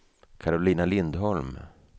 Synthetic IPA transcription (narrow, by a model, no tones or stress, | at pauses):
kʰaɾʊliːnalɪnd̪ɦɔlm